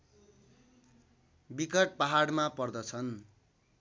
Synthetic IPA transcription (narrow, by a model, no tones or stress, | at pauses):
bikʌʈ̚paɦaɽmapʌrd̪ʌt͡sʰʌn